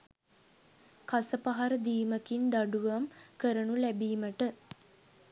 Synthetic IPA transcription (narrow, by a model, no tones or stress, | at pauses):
kasəpaɦaɾəd̪iːməkind̪aɖuʋamkəɾənulæbiːməʈə